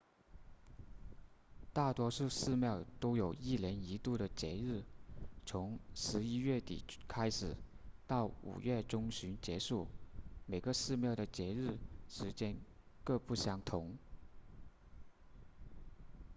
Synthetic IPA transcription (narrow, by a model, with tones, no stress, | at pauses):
t̪a˥˩t̪wɔ˥ʂu˥˧ʂɻ̩˥˧mjɑ˥˩ʊt̪o˥ʊjo˨˩ʊi˥˩ljɛ˧˥ni˧˥t̪u˥˩ɾə˩t͡ɕjɛ˧˥ɻɻ̩˥˩t͡sʰʊ˧˥ŋʂɻ̩˧˥i˥ɥɛ˥˩t̪ḭ˨˩˦kʰa˥ɪʂɻ̩˨˩˦ | t̪ɑ˥˩ʊṵ˨˩ɥɛ˥˩ʈ͡ʂʊ˥ŋɕy˧˥nt͡ɕjɛ˧˥ʂu˥˩me˨˩ɪɡə˧˦ʂɻ̩˥˧mjɑ˥˩ʊd̪ə˩t͡ɕjɛ˧˥ɻɻ̩˥˩ʂɻ̩˧˥t͡ɕjɛ˥n | kɤ˥˧pu˥˩ɕjɑ˧˥ŋt̪ʰʊ˧˥ŋ